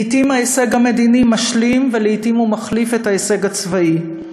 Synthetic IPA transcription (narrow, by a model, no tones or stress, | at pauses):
itimaese̞ɡame̞d̪inimaʃlimveleitimumaχlifethaese̞ɡat͡svai